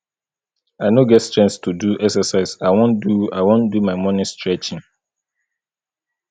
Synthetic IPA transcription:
aɪnoɡɛtst͡ʃɛ̃nstʰuduɛksɛsaɪsaɪwõnduaɪwõndumaɪmɔ̃nɪ̃stɹɛt͡ʃɪ̃ŋ

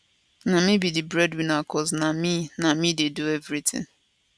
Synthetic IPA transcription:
nãmĩbidibɾɛdwinakʰɔznamĩnãmĩdeduevɾitʰɪ̰̃ŋ

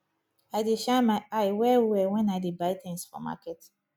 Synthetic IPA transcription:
aɪdeʃamaɪaɪwɛwɛwɛ̃naɪdebaɪt̪ɪ̃ŋsfɔ̰ma̰kɛt

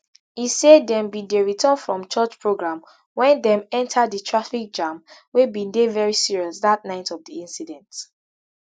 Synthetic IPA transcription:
isedɛ̃mbĩdeɹitʰə̃nfɹɔ̃mt͡ʃɜt͡ʃpʰɹoɡɹãm | wɛ̃ndɛ̃mɛ̃ntʰadðətʰɹafik̚d͡ʒãmwebĩndevɛɹisiɹiɔsðat̚naɪtɔvdiĩnsidɛ̃nt

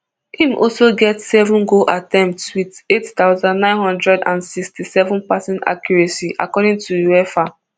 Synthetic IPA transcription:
hĩmʔɔ̰soɡɛtsɛvɔ̃nɡoʔatɛ̃mp̚tswidettaʊzãnːnãɪ̃nhɔ̃ndɹɛdã̰nsikstisɛvɔ̃npasɛ̃nta̰kjɔɹɛsiʔa̰kɔɾĩŋtʰujuɛfa

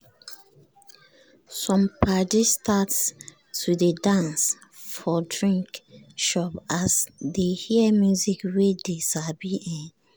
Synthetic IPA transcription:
sɔ̃mpadistats | tudedãns | fɔdɹĩŋkʃɔpasdehimjuzikwedesabiʔɛ̃n

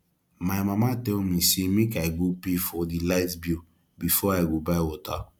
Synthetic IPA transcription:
maɪmamatɛlmisemekaɡopefɔdilaɪtbu | bifɔaɪɡobaɪwɔta

